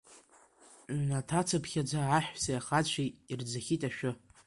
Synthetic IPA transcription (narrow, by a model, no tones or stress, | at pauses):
natʰat͡sʰapʰχʲad͡zʷaʕaħʷᶣsajaχat͡ɕʷʰiird͡zaχʲitʼaʃᶣʊ